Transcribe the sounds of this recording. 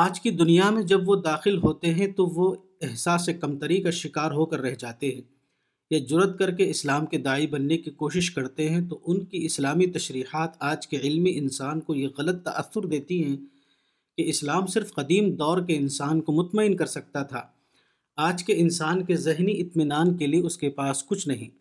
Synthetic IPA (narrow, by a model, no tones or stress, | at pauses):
aːd͡ʒkid̪ʊnijamẽd͡ʒɐbʋod̪aːxɪlɦoːt̪eɦɛ̃t̪oʋo | ɛɦsaːsːekɐmt̪ɐɾikaʃɪkaːɾɦokɐɾːɛɦd͡ʒaːt̪eɦɛ̃ː | jad͡ʒʊɾət̪̚kɐɾkeɪslaːmked̪aːibɐnːekikoːʃɪʃkɐɾt̪eɦɛ̃t̪oʔʊnkiɪslaːmit̪ɐʃɾiːhaːt̪aːd͡ʒkeɪlmiʔɪnsaːnkojeɣɐlət̪ːɐʔə̰θʊɾd̪eːt̪iɦɛ̃ | keɪslaːmsɪɾfqɐd̪iːmd̪ɔːɾkeɪnsaːnkomʊt̪məɪnkɐɾsɐk̚t̪at̪ʰaː | aːd͡ʒkeɪnsaːnkezɪɦniɪt̪mɪnaːnkelieʊskepaːskʊt͡ʃʰnɐɦĩː